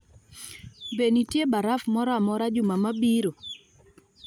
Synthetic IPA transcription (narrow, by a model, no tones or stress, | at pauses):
benitjebaɾafmɔɾamɔɾad͡ʒʊmamabiɾo